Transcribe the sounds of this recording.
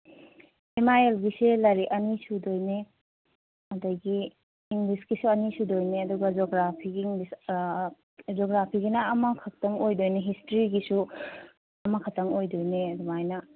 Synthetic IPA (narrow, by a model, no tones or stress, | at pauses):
emajelɡiselɐɾiʔɐnisudojne | ɐdɐɡiː | ŋɡlisɡisuɐnisudojneɐduɡɐd͡ʒoɡɾapʰiɡiiŋlis | d͡ʒɔɡɾapʰiɡinɐːmɐkʰɐk̚tɐŋojdojneɦistɾiɡisu | ɐmɐkʰɐtɐŋojdojneɐdumajnɐ